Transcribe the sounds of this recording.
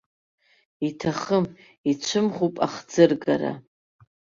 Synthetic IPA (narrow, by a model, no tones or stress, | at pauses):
itʰaχəm | it͡ʃʷʰɨmχupʼaχd͡zɨrɡa̰ɾa̰